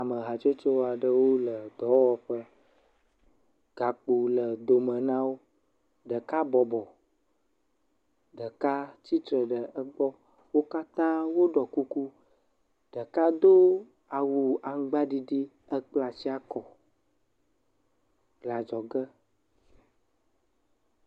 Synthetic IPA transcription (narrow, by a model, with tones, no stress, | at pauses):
a˨mə˨ɦa˨t͡ʃe˦t͡ʃo˦wo˦a˨ɖə˦wo˦lə˨d̪ɔ˨˦wɔ˦ɸə˦ | ɡ̥a˨k͡pu˨lə˨d̪o˨mə̃˨nã˦wo˦ | ɖə˨ka˦bɔ˨bɔ˨ | ɖə˨ka˦t͡ɕi˦t̪ɾə˨ɖə˨ə˦ɡ͡bɔ˦ | wo˦ka˦t̪ã˦wo˦ɖɔ˨ku˦ku˦ | ɖ̥ə˨ka˦d̪o˦ | a˨wu˨a˨ŋ̩˦ɡ͡ba˦ɖi˦ɖi˦ | ə˦k͡pla˨si˦a˦kɔ˨ | ɡla˨d͡ʒɔ˨ɡə˦